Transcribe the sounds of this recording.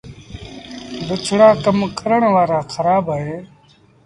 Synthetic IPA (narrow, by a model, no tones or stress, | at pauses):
bət͡ʃʰɽaːkəmkəɾəɳʋaːɾaːxʰəɾaːbaːɦeː